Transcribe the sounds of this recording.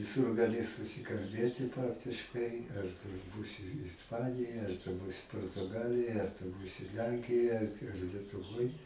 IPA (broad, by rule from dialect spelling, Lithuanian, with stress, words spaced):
ʋʲɪˈsʊr ɡɐˈlʲɪ sʊsʲɪkɐlʲˈbʲeːtʲɪ ˈprɑːktʲɪʃkɐɪ ɐr tʊ ˈbuːsʲɪ ɪsˈpɑːnʲɪjoːj ɐr tʊ ˈbuːsʲɪ poːrtʊˈɡɑːlʲɪjoːj ɐr tʊ ˈbuːsʲɪ ˈlʲɛŋʲkʲɪjoːj ɐr ɐr lʲiɛtʊˈʋoːj